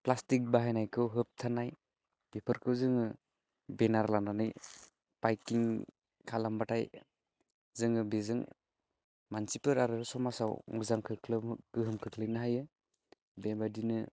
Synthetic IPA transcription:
plastik̚baɦajnajkʰɯwɦɯp̚tʰanaj | b̥epʰɯɾkʰɯwzɯŋɯ | benaɾlananɯj | b̥ajkiŋ | kʰalambatʰaj | zɯŋɯbezɯŋ | mansipɯɾaɾɯsɔmasawŋuzaŋkʰɯkʰlɯɡ̥ɯɦɯmkʰɯkʰlɯnaɦajɯ | bebadinɯ

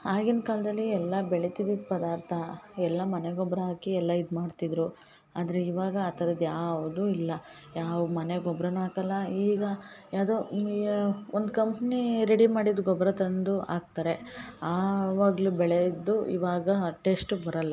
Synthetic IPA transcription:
aːɡinkaːlɐd̪ɐlːiɛlːɐbɛɭet̪id̪id̪pɐd̪aːɾt̪ʰɐɛlːɐmɐneɡɔbɾɐɦaːkiɛlːɐid̪maːɖt̪id̪ɾu | aːd̪ɐɾeiʋaːɡɐːt̪ɐɾɐd̪jaːʋud̪uilːɐ | jaːʋumɐneɡɔbɾɐnuaːkɐlːɐiːɡɐjaːd̪oː | ond̪ukɐmpniɾeɽimaːɽid̪uɡɔbɾɐt̪ɐnd̪uʔa̰ːɡ̚t̪aːɾe̞aːʋaːɡlubɛɭed̪ːuḭʋaːɡɐʈe̞sʈbɐɾɐlːɐ

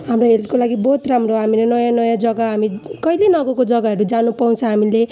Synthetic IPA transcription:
ɦamɾoɦelkolaɡibʌɦut̪ramroɦamilenʌjãnʌjãd͡zʌɡaɦamikʌjlenʌɡʌkod͡zʌɡaɦʌɾud͡zanupaw̃t͡sʰʌɦamile

